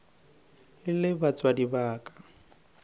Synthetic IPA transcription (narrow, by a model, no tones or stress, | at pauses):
ɪlɪbat͡sʼwadibaːkʼḁ